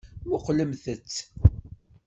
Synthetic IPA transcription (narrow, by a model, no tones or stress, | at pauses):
mʊqləmθət͡sː